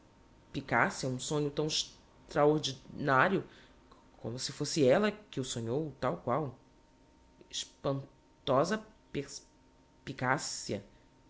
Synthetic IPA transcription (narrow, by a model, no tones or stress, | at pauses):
pikasiɐũsõɲʊt̪ɐ̃w̃ɪʃ | t̪ɾaoɾd͡ʒinaɾjʊ | kʰõ̰mʊsɪfosɪɛlɐkɪʊsõɲowt̪awkwaw | ɪʃpɐ̃n | t̪ɔzɐpes | pikasiɐ